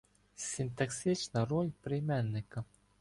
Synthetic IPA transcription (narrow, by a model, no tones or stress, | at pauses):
sʲɪnt̪ɐksʲɪt͡ʃnɐrɔlʲpɾɪjmɛnːɪkɐ